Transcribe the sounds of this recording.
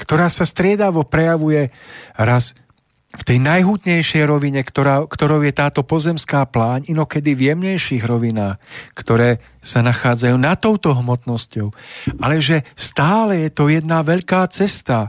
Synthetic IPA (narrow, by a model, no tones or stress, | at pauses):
kt̪ɔɾaːsast̪ɾɪɛd̪aʋɔpɾɛjaʋujɛɾas | ft̪ɛjnajɦut̪ɲɛjʃɛjɾɔʋiɲɛkt̪ɔɾakt̪ɔɾɔʊjɛt̪aːt̪ɔpɔzɛmskaːplaːɲinɔkɛd̪ivjɛmɲɛjʃiːɣɾɔʋinaːxkt̪ɔɾɛːsanaxaːd͡zajuːnat̪ɔʊt̪ɔɦmɔt̪nɔscɔʊalɛʒɛst̪aːlɛjɛt̪ɔjɛd̪naʋɛʎkaːt͡sɛst̪a